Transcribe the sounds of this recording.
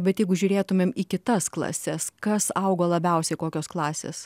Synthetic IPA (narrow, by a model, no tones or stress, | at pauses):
bʲɛt̪jɛɪɡʊʒʲʊːɾʲeːt̪ʊmʲeːmikʲɪt̪ɐsklˠɐ̰sʲɛskɐsɐʊɡoːlˠɐbʲɛʊsʲɛɪkoːkʲoːsklˠɑːsʲḛːs